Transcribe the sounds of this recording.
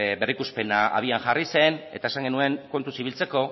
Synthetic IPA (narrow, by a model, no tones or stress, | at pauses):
berikuspe̞naʔa̰β̞ianʝarise̞ne̞t̪aesaŋɡe̞nue̞ŋko̞nt̪usiβilt͡se̞ko̞